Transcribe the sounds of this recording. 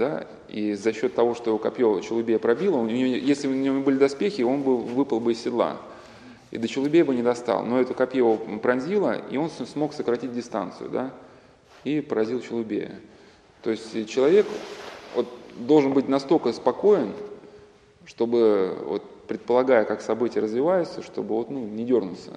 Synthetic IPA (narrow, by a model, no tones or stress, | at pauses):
d̪a | ḭzɐɕːo̞t̪ːɐvo̞ʂt̪o̞jɪvokɐpʲjot͡ɕɪlˠʊbʲejəpɾɐbʲilˠəʊnʲɪʊnʲɪvojesʲlʲɪnənɪvonʲɪbɨlʲɪd̪ɐspʲexʲɪo̞nbɨvɨpəlˠbɨɪsʲːɪd̪lˠa̰ | ḭd̪ət͡ɕɪlˠʊbʲejəbɨnʲɪd̪ɐst̪ɑ̰lˠno̞ɛt̪ʊkɐpʲjeopɾɐnʲzʲilˠə̰ḭo̞nsmo̞ksəkɾɐtʲit̚ʲdʲɪst̪a̰nt̪sɨjʊ̰d̪a | ipəɾɐzʲilˠt͡ɕɪlˠʊbʲḛjə̰ | t̪o̞ɪsʲtʲt͡ɕɪlˠɐvʲe̞kvo̞t̪d̪o̞lˠʐɨnbɨtʲnɐst̪o̞lʲkəspɐko̞ɪn | ʂt̪o̞bɨvo̰t̪̚pɾʲɪt̪̚pəlˠɐɡajəkaksɐbɨtʲɪjəɾəzvʲɪvajʊt̪səʂt̪o̞bɨvo̞t̪nunʲɪdʲo̞rnʊt̪sə̰